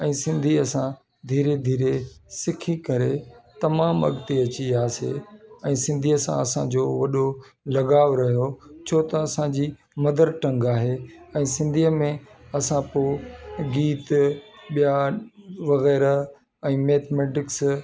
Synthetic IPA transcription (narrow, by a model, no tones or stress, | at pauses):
ɛ̃ːsɪ̃nd̪ʱiɐsã | d̪ʱiːɾed̪ʱiːɾesɪkʰikɐɾet̪ɐmaːmɐ̰ɠt̪iɐt͡ɕiaːsḛɛ̃ːsɪ̃nd̪ʱiːəsã̰ɐsãd͡ʑoːʋɐɗo | lɐɠaːʋɾɐɦijot͡ɕʰoːt̪ɐɐsãd͡ʑiː | mɐd̪əɾʈɐ̃ŋɡaːɦeɛ̃ːsɪ̃nd̪ʱiəmẽɐsãpoɡiːt̪ɓija | ʋɐɣɛːɾ | ɛ̃ːmeːt̪ʰmeːʈɪks